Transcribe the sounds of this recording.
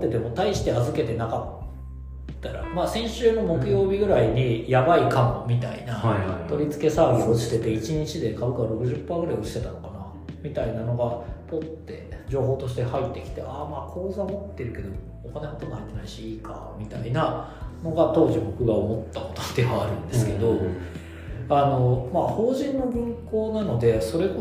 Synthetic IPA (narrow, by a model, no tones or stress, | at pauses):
t̪ːe̞d̪e̞mo̞t̪aiɕi̥t̪eazɨke̞t̪e̞nakat̪ː | aɾa̰maːsẽ̞ɰ̃ɕɨːno̞mo̞kɯ̟jo̞ːbʲiɡɯ̟ɾaiɲ̟ijabaikãŋmʲit̪aḭnat̪o̞ɾʲit͡sɨ̥ke̞saːbʲisɨot͡ɕi̥t̪e̞t̪e̞it͡ɕiɲ̟it͡ɕid̪e̞kabɯ̟kaβaɾo̞kɯ̟ʑɨpːaːɡɯɾaio̞i̥t̪e̞t̪ano̞kana | mʲit̪ainano̞ɡapo̞t̪ːe̞̰d͡ʑo̞ːɦo̞ːt̪o̞ɕ̬i̥t̪e̞hait̪ːe̞kʲi̥t̪e̞̰ʔamaːkʰo̞ːzɨamot̪ːe̞ɾɯ̟ke̞d̪o̞ː | kanekot̪omhait̪ːe̞naiɕiiːka̰mʲit̪aina | no̞ɡat̪o̞ːʑibo̞kɯ̟ɡaomo̞t̪ːako̞̥t̪o̥d̪e̞βaːɾɯ̟̃nd̪e̞sɨke̞d̪o̞ | ano̞maho̞ːʑĩnːo̞bɯ̟̃ŋkkoːnano̞d̪e̞so̞ɾe̞o